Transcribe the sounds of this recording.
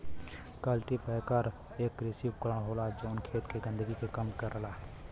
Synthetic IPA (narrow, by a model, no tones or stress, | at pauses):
kəlʈipɛːkəɾ | eːkɾɪsipkəɾəɳ̃ɦoːlad͡ʒoːnkʰeːt̪keɡɪ̃nd̪əɡikekəmkəɾəlaː